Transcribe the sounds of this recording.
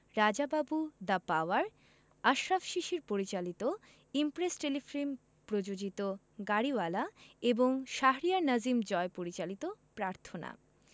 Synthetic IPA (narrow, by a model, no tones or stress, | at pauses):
ɾad͡ʑababud̪apaoaɾ | aʃɾafʃiʃiɾpoɾit͡ɕalit̪o | impɾesʈelifɾim | pɾod͡ʑod͡ʑit̪o | ɡaɾiwalaeboŋʃaɦɾijaɾnad͡ʑimd͡ʑɔepoɾit͡ɕalit̪opɾaɾt̪ʰona̰